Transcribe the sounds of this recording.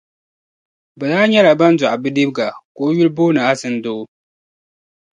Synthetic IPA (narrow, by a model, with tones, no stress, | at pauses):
bɛ˨zaː˦ɲɛ˦la˨bɐ˦nzʊ˨ʔa˨bɨ˦di˦bɡa˨koː˦ju˦lboː˦nɨ˨ʔa˦sɨ˦ndoː˦